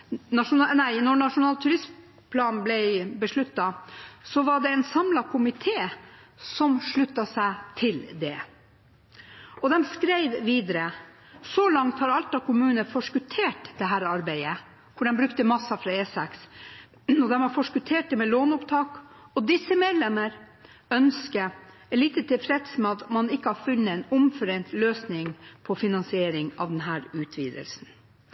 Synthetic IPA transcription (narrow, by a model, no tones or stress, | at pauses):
nɑʂʊnnæɪnɔnɑʂʊnɑːlt̪ʰʉɾɪs | pʰlɑːnn̩blɛɪbəʂɭʉt̪ːɑsɔʋɑɖɛɛnsɑmlɑkʰʊmɪt̪ʰeː | sɔmʂɭʉt̪ːɑsæɪt̪ʰɪld̪ɛ | ɔd̪ɛmskɾæɪʋʋiːd̪əɾə | sɔlɑŋt̪hɑɾɑlt̪ɑkʰʊmʉːnəfɔʂkʉt̪ʰeːʈd̪ɛɦæːɾɑɾbæɪə | kʰʊɖɛmbɾʉkt̪əmɑsːɑfɾɑeːsɛks | ɔd̪ɛmɑɾfɔʂkʉt̪ʰeːʈ̚d̪ɛmɛloːnʊpt̪ʰɑːk | ɔd̪ɪsəmeːd̪lɛməɾ | œnskə | ɛliːt̪ət̪ʰɪlfɾɛt̪smɛɑt̪mɑnɪkːəhɑɾfʉnːəɛɪnʊmfœɾɛnt̪løːsnɪŋpʰɔfɪnɑnsɪeːɾɪŋɑ̰ʋd̪ɛnɦæːɾʉːt̪ʰʋḭːd̪ə̰lsn̩